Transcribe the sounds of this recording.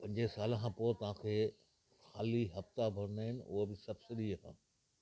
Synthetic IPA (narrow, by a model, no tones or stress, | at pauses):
pɐ̃ɲd͡ʑesaːlkʰãːpoːt̪ɐʋ̤ãːkʰeː | xaːliɦɐft̪abʱɐɾnaːɦɪnɪ̆ʊ̰ɦobɪsɐbsɪɗiɐɦã̰ː